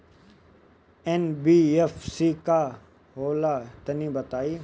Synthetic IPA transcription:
ɛnbiːefsiːka | ɦoːlat̪ɐnĩbɐt̪aːiː

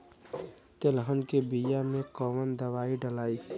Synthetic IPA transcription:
t̪elɦənkebijamẽkɔːʋənd̪əʋaːiɖəlaːiː

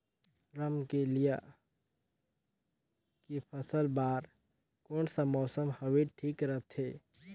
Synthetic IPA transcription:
ɾəmkelija | kipʰəsəlbaːɾ | koːnsamɔːsəmhɐweʈʰiːkɾət̪ʰeː

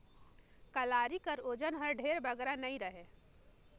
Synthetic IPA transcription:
kəlaːɾikəɾod͡ʒənɦəɾɖʱeɾbəɡɾanəĩɾəɦe

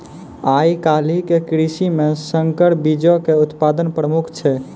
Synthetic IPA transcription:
ajkalikekɾisimesəŋkəɽ̤bid͡ʒɔkeut̪pad̪ənpɾəmukʰt͡ʃʰɛ

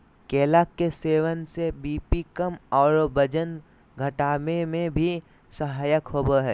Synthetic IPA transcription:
keːlaːkːeseːʋənsebiːpikəmɔːɾbəd͡ʒən | ɡʱɐʈaːmẽmẽbʱi | səɦaːjəkɦoːbəɦɛː

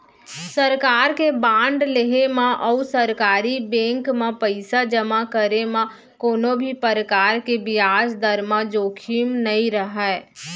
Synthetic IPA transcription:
səɾkaːɾkebãːɳɖleɦemãʔɔːsəɾkaːɾibɛ̃ːŋkmãpəɪsad͡ʒəmakəɾemã | koːnõbʱipəɾəkaːɾkebɪjaːsd̪əɾmad͡ʒoːkʰimnəĩɾəɦɛː

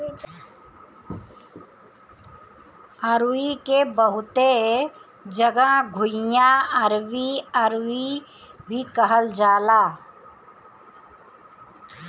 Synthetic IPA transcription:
əɾikebəɦʊt̪e | d͡ʒəɡãɡʱʊɪjãəɾʋiəɾwi | bʱikəɦəld͡ʒaːlaː

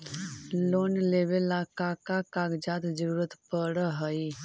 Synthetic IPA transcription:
loːnleːbelaːkakakaːɡd͡ʒaːt̪d͡ʒəɾuːɾət̪pəɽɦəi

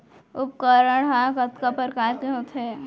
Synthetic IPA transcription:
ʊp̚kəɾəɽɦãkət̪kapəɾkaːɾkeɦot̪ʰe

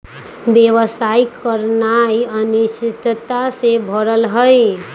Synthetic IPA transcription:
bjewəsaikəɾnajənit͡ʃit̪t̪asebʱəɾəlɦəj

